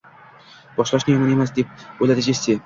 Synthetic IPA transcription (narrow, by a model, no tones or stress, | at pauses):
b̥ɒʃlˠaʃnɪomɒne̞masd̪e̞p̚ojlad̪ɪɡʲese